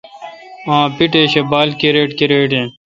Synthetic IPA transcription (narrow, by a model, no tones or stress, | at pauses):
ãːpiʈeːɕebaːlkeɾeːʈkeɾeːʈẽː